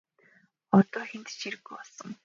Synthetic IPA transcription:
ɔt̪ɔːxent̪t͡ɕiɾɘ̆ɣɡujpɔɮsə̆ŋ

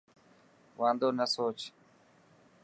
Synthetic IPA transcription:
ʋãːnd̪oːnəsoːt͡ʃ

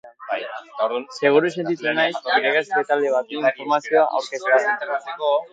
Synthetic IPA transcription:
ajet̪oɾunse̞ɣ̞uɾuse̞nt̪it͡s̪unajsiɾeɣeset̪ald̪eβ̞at̪eiɱfoɾmasio̞aʔa̰wɾkeseasint̪easeko

